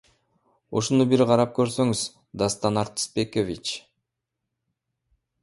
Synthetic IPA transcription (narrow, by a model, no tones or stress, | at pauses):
uʃunubiɾqʰɑɾɑp̚kø̞ɾsø̞ŋyz̥ | d̪ast̪ɑnɑɾt̪spekovʲit͡ʃ